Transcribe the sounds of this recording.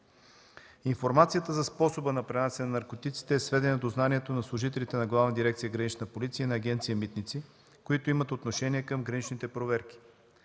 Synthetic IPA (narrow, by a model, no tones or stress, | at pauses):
iɱfoɾmat̪sijət̪əzɐspɔsobənɐpɾɛnasɛnnɐɾkot̪it̪si̥t̪ɛːsvɛd̪ɛnɐd̪oznaniɛt̪onɐslˠʊʒit̪ɛlit̪ɛnɐɡlˠavnəd̪iɾɛk̚t̪sijəɡɾɐnit͡ʃnəpolit̪sijənɐːɡʲɛnt̪sijəmit̪nit̪si | koit̪oimət̪ot̪noʃɛnʲiɛkəmɡɾɐnit͡ʃnit̪ɛpɾovɛɾk̟ʲi̥